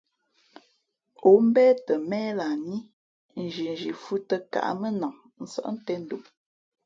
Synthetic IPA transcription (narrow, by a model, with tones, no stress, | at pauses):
o˨m̩˦bɛː˦tə˨mɛː˦la˨ni˦ | n̩˨d͡ʒi˨n˨d͡ʒi˨fu˦tə˦ka̰˨ʔmə˦na˨ŋ | n̩˦sə̰˦ʔn̩˦tɛ˦n̩˦du˨m